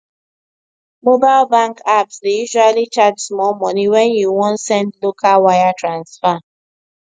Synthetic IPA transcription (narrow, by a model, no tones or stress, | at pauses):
mobaɪlbãŋkapsdejuʒwalit͡ʃadsmɔlmɔniwɛnjuwɔ̃nsɛ̃ndlokalwajatɹãnsfa